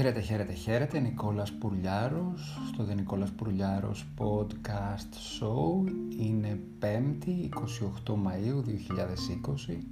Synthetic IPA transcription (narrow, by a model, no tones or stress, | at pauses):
eɾet̪e̞çe̞ɾe̞t̪e̞çe̞ɾe̞t̪eniko̞lɐspuɾʎɐɾo̞sːt̪oðeniko̞lɐspuɾʎɐɾo̰spo̞d̪kɐst̪souine̞pe̞mt̪iːko̞sio̞xt̪o̞mɐiuðio̞çiʎɐðe̞siko̞si